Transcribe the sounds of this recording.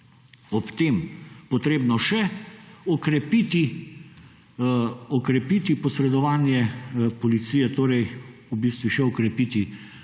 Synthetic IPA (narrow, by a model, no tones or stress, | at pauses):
ɔpt̪eːmpɔt̪ɾeːbnɔʃɛɔkɾɛpiːt̪i | ɔkɾɛpiːt̪ipɔsɾɛd̪ɔʋaːnjɛpɔlit̪siːjɛt̪oːɾɛjubiːst̪ʋuʃɛɔkɾɛpiːt̪i